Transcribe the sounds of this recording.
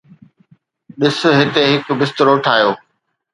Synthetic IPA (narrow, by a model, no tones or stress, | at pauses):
ɗɪs̆ɦɪt̪eɦɪkbɪst̪ɪɾoʈʰaːjoː